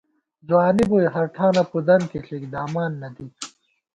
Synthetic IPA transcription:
zuwaːnibujɦɐɾʈʰaːnɐpud̪ɐnkiɬikd̪aːmaːnːɐd̪i

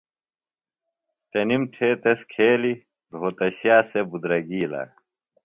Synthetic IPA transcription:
t̪ɐnimʈ̪ʰeːt̪eskʰeːli | d̪ʱoːt̪ɐɕjaːsebud̪ɾɐɡiːla̰ː

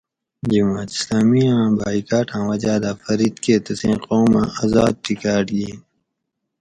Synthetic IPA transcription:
d͡ʒimaːt̪i̥slaːmiãbaːikaːʈʰãːwɐd͡ʑaːd̪aːfɐɾid̪keːt̪ɐsẽːqoːmã̰ʔazaːd̪̚t̪ikaːɾliː

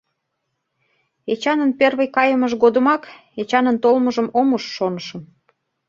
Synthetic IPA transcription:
et͡ɕɑnənperβəjkɑjəməʃɣod̪ə̆mɑk | et͡ɕɑnənt̪olməʒəmomuʃːonəʃə̆m

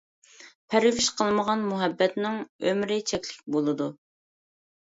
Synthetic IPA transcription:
pʰɛɾɪviʃqʰəlˠməʁɑnmuɦɛbːɛt̪nɪŋømɾɪt͡ʃʰɛkʲlɪk̚ʲbolˠɨd̪u

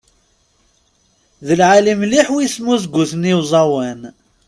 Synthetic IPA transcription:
ðəlʕalimliħwismuzɡʷuθniwzˤɑwən

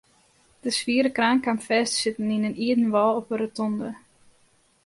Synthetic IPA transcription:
d̥əsʋiəɾəkraːŋkamfɛstsɪtəninəniədn̩ʋɔlˠɔpəɾətɔndə

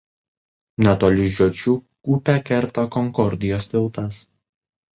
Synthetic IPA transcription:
nʲɛt̪oːlʲɪʒʲoːt͡ʃʲuːkuːpʲɛkʲɛɾt̪okɔŋkɔɾʲd̪ʲɪjoːst̪ʲɪlˠt̪ɐs

